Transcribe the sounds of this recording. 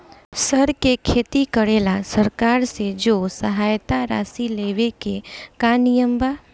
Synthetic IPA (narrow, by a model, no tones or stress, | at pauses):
səɾkekʰeːt̪ikəɽeːlasəɾkaːɾsed͡ʒoːsəɦaːjt̪aɾa̰ːsileːʋekekanijəmbaː